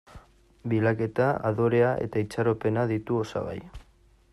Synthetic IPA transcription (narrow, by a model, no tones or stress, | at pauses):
bilake̞t̪aaðo̞ɾe̞aʔe̞̰t̪ait͡saɾo̞pe̞naðit̪uo̞sa̰βa̰j